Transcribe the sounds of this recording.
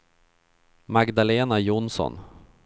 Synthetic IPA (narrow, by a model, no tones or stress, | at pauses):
maɡd̪aleːnajʊnsɔ̰n